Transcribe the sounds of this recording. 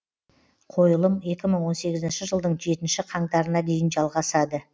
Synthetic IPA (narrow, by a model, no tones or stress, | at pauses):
qʰo̞jəlˠəme̞kʲɪməɴwo̞nse̞ɡʲɪzɪnʃɪʒəlˠd̪əɴʒe̞t̪ɪnʃɪqʰɑɴd̪ɑɾənɑd̪e̞jɪnʒɑlˠʁɑsɑd̪ə